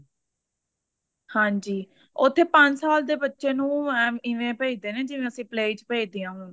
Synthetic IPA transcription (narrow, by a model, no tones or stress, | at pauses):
hãːɲd͡ʒiː | ʊt̪ʰːeːpə̃ɲd͡ʒsaːld̪eːbətːʃeːnũːɛːmɪʋẽːpeːid̪eːneːd͡ʒɪʋẽːəsĩːpleːt͡ʃpeːd͡ʒd̪iːãːɦoːnː